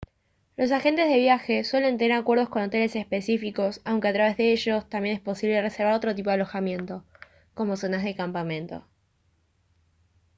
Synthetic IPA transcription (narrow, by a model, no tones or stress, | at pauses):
lo̞s̬axe̞nt̪e̞zðe̞βjaxe̞swe̞le̞nt̪eneɾakwe̞ɾð̞o̞sko̞not̪e̞le̞sespe̞sifiko̞sawŋke̞at̪ɾaβe̞zðe̞eʃo̞st̪ambjenespo̞siβle̞reseɾβaɾo̞t̪ɾo̞t̪̬ip̬o̞aloxamje̞nt̪o̞ | ko̞mo̞sonazð̞ekampamẽnt̪o̰